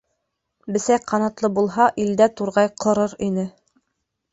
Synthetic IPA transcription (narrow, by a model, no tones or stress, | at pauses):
bɘ̆sæjqʰɑnɑt̪lˠɤbulˠɦɑʔild̪æt̪uɾʁɑjqʰɤ̆ɾɤɾinɘ